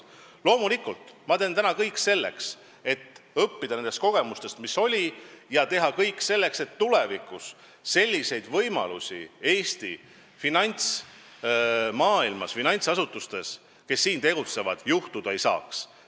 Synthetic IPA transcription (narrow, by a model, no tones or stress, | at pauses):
lo̞ːmulikːˑult̪mɑt̪e̞ːnt̪ænɑkɤjkːse̞lːe̞̰ks | e̞t̪ːɤpːid̪̥ɑne̞nd̪e̞st̪̚ko̞ɡ̥e̞must̪e̞st̪miso̞lʲijɑt̪e̞ɦɑkɤjkːˑse̞lːe̞kse̞t̪ːule̞vikˑusː | e̞lʲːise̞jd̪̥vɤjmɑ̰lusʲḭe̞ːst̪ḭ | finɑnʲt̪s | mɑːilmɑsfinɑjnʲt̪sɑsut̪ːˑust̪e̞s | ke̞sːiːnt̪e̞ɡ̥ut̪se̞vɑd̪̥juht̪ud̪̥ɑe̞jsɑ̰ːks